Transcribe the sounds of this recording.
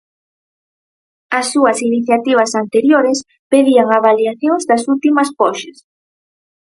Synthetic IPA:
asːuɐsiniθjat̪iβ̞ɐsant̪eɾjoɾɪs | peðiaŋaβaliaθjoŋzðasult̪imɐspɔʃas

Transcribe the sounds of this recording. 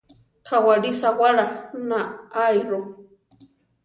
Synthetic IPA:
kʰawaɾisawaɾanaajɾo

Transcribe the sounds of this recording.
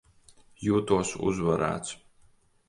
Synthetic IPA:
juːt̪uːsṵzvaɾa̰ːt͡sʰ

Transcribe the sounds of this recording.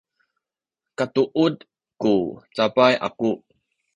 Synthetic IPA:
katuʔud | kut͡sapajʔa̰ku

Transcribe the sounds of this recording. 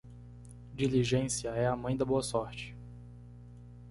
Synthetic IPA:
d͡ʒiliʒẽsiɐɛɐmɐ̃j̃d̪ɐboɐsɔɾt͡ʃɪ̥

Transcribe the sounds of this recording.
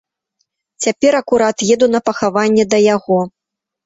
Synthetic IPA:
t͡sʲapʲɛɾɐkuɾat̪jɛd̪un̪ɐpɐxavanʲːɛd̪ɐjaɣɔ

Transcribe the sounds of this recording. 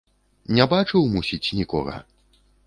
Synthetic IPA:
nʲabat͡ʂɨwmusʲit͡sʲnʲikɔ̰ɣɐ̰

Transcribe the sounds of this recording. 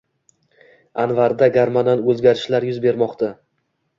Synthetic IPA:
anvaɾd̪aɡʲaɾmananɵzɡʲaɾɪʃlaɾjʊzbe̞ɾmɒqt̪a

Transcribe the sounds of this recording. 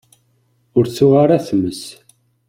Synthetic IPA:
ʊɾt͡sːuʁaɾaθmːəs

